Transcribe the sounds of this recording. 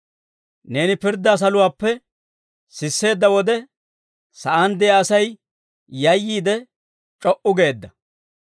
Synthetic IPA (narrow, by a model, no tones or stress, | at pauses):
ne̞ːnɪpɪɾd̪ːɐs̬ɐlʊwaːpːɛ | sɪsːe̞ːd̪ːɐwɔd̪ɛ | sɐʔɐnd̪ɛjaɐsɐj | jɐjːiːd̪ɛ | t͡ʃʼɔʔʊɡe̞ːd̪ːɐ